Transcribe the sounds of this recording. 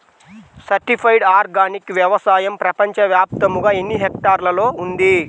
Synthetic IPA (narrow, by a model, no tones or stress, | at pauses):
sɐɾʈipʰɐjɖaːɾɡaːnikʋjɐʋɐsaːjɐmpɾɐpɐɲt͡ʃɐʋjaːp̚t̪ɐmuɡaːenːiɦekʈaːɾlɐlo̞ːund̪i